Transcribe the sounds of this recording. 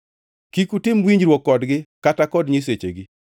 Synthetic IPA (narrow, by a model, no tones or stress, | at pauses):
kikutɪmwiɲd͡ʒɾwɔkːɔdɡɪkatakɔdɲis̬et͡ʃḛɡɪ